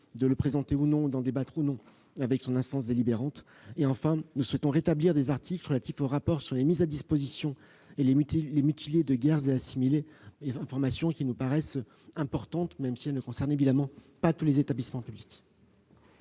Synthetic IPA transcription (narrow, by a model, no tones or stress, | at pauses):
d̪ələpχezɑ̃t̪eunɔ̃d̪ɑ̃d̪ebat̪χunɔ̃ | avɛksɔ̃nɛ̃st̪ɑ̃s̬d̪elibeʁɑ̃t̪ | eɑ̃fɛ̃nuswɛt̪ɔ̃ʁet̪abliʁd̪ezaʁt̪ʰikləʁəlat̪ifoʁapɔʁsyʁlemizad̪ispozisjɔ̃ | elelemyt̪ʰiljed̪əɡʲɛʁzeasimileɛ̃fɔʁmasjɔ̃kʲinupaʁɛs | ɛ̃pɔʁt̪ɑ̃t̪mɛmsiɛlnəkɔ̃sɛʁnevid̪amɑ̃ | pat̪ulezet̪ablismɑ̃pyblikʲ